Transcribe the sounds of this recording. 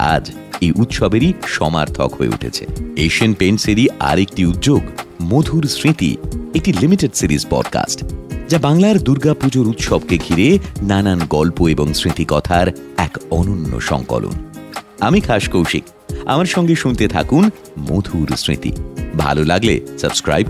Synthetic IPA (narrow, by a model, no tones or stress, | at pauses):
a̰d͡ʑ | ejʔut̪ʃɔbeɾiʃɔma̰ɾt̪ʰɔ̰kɦoḛṵʈʰḛt͡ɕʰḛeʃienpeɳɖseɾia̰ɾek̚ʈiut̪ːd͡ʑoɡmod̪ʱuɾsɾĩt̪ḭek̚ʈilimiʈeɖsiɾizpɔ̰ɖka̰sʈd͡ʑabaŋlaɾd̪uɾɡapud͡ʑoɾut̪ʃɔb̚keɡʱiɾenananɡɔlpoeboŋsɾit̪ikɔt̪ʰaɾɛkɔnonːo̰ʃɔ̰ŋkɔ̰lṵnamikʰaʃkowʃḭk | a̰maɾʃɔŋɡeʃunt̪et̪ʰa̰kun | mod̪ʱuɾsɾḭt̪ḭbʱa̰lolaɡlesəbskɾa̰jb